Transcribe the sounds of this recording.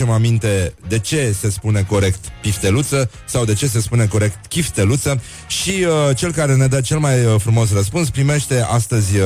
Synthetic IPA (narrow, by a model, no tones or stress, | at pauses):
emamint̪e̞d̪e̞t͡ʃe̞se̞spune̞ko̞ɾe̞kt̪pift̪e̞lut̪sə | sawd̪e̞t͡ʃe̞s̬e̞spune̞ko̞ɾe̞kt̪kʲift̪e̞lut̪sə | ʃiət͡ʃe̞lkaɾe̞ned̪ət͡ʃe̞lmajəfɾumo̞s̬rəspuns̬pɾime̞ʃt̪e̞ast̪əzʲ